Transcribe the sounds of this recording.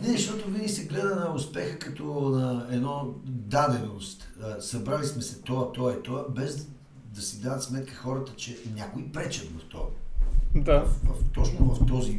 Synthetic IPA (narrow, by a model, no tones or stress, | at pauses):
nɛʃt̪ɔt̪ʊvinisɛɡlɛd̪ɐnɐʊspɛxəkɐt̪ɔnɐɛnɔd̪ad̪ɛnost̪əsɐbɾalismɛsɛt̪ɔət̪ɔit̪ɔabɛz | d̪ɐsid̪aðət̪smɛt̪kəxɔɾət̪ət͡ʃɛnʲjakʊipɾɛt͡ʃɐt̪vɐft̪ɔ̰ | d̪avɐft̪ɔt͡ʃnovɐft̪ɔzi